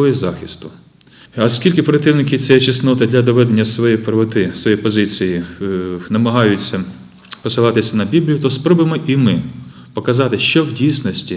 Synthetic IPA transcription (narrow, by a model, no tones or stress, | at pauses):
ɔjizɑxʲɪst̪ʊ | ɐskʲilʲkɪpɾɐt̪ɪwnɪk̬ʲɪt͡sʲɐjɛt͡ʃɪsnɔt̪ɐd̪lʲɐd̪ɔʋɛd̪enʲːɐsʋɔjɛpɾɔʋɔt̪ɪsʋɔjɛpɔzɪt͡sʲiji | nɐmɐɦɑjʊt͡sʲːɐ | pɔsɪlˠɑt̪ɪsʲɐnɐbʲiblʲijʊt̪ɔspɾɔbemɔʔimɪ | pɔkɐzɑt̪ɪʃt͡ʃɔwdʲijsʲnɔsʲtʲi